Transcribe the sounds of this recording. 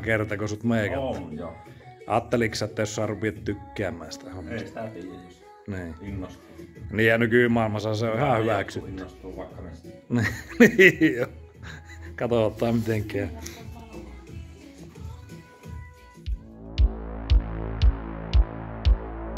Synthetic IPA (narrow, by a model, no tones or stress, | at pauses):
kert̪ɑkosut̪meˑːkɑt̪ː | ʔɑːt̪ːeliksɑet̪ːæjosːɑrupiˑt̪t̪ykːeæmːˑæ̰ːsi̥t̪æhomːe | niːnː | niːjænykyˑmɑˑelmɑsɑseoihɑˑhyʋæˑksyt̪ːy | niniːjo | kɑt̪oˑt̪ːˑɑːmit̪eŋkːˑæː